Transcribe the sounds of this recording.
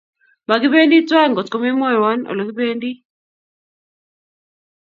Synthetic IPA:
ma˨ɡɪ˦be˦ndi˦twa˦˨ŋɡɔ˨tko˦me˦mɔ˦jwɔ˦nɔ̰˨lo˨ɡi˦be˦ndi˦

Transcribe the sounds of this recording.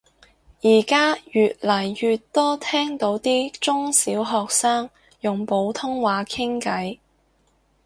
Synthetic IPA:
jiː˨˩kaː˥jyː˨t̚lɐ˨˩jjyː˨tt̪ːɔː˥t̪ʰɛː˥ŋt̪o˨˥wt̪iː˥t͡sʊ˥ŋsiː˨˥wɦɔː˨k̚saː˥ŋ | jʊ˨ŋpo˨˧˥wt̪ʰʊ˥ŋwaː˨˧kʰɪ˥ŋkɐ˨˥j

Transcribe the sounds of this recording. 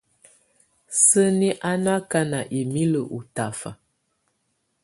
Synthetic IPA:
sə˦ni˦ʔa˦na˦ka˦na˨ʔi˨mi˦lə˨ʔu˨ta˨fa˨

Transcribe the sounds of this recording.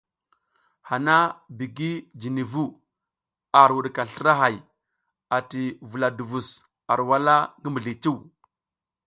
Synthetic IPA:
ha˨na˦bi˨ɡi˦d͡ʒi˨ni˨vu˦ | a˨ɾwu˨ɗka˨ɬi˦ɾa˦ɦa˨j | a˨ti˨vu˨la˨du˨vu˨s | a˨ɾwa˦la˦ŋɡi˦mbi˨ɮi˨t͡ʃi˦w

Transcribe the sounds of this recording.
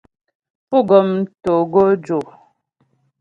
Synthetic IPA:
pu˦˨ɡɔ˨m̩˦to˨ɡo˦d͡ʒo˨

